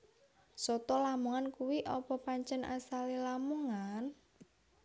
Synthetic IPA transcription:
sɔt̪ɔlamuŋankuwiʔɔpɔpaɲt͡ʃɛnʔa̰salilamuŋan

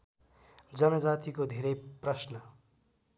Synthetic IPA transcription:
d͡zʌmed͡zat̪ikod̪ʱeɾʌjprʌsnʌ

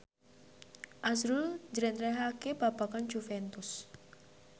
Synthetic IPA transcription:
ʔasɾuld͡ʒɾɛnt̪ɾɛɦakebapakand͡ʒufɛnt̪ʊs

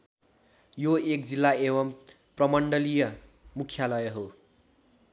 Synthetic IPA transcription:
joek̚d͡zilːaeβʌmprʌmʌɳɖʌlijʌ | mukʰjalʌjʌɦo

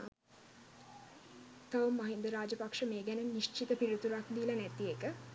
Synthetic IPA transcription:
t̪aʋumːɐɦind̪əɾaːd͡ʒəpakʂəmeːɡænəniʃt͡ʃit̪əpiɾut̪uɾakd̪iːlɐnæt̪iekə

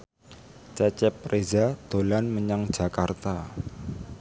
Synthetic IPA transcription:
t͡ʃat͡ʃɛpːɾezad̪̥o̤lanməɲaŋ̥d͡ʒ̥a̤kart̪a

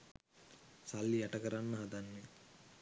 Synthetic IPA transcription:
salːiaʈəkəɾanːəɦad̪anːe

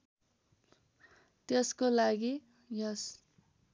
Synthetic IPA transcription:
t̪jeskolaɡi | jʌs

